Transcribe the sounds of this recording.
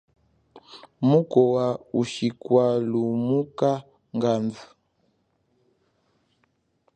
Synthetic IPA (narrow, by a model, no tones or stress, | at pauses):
mukɔwauʃikwalumuka | ŋɡanvu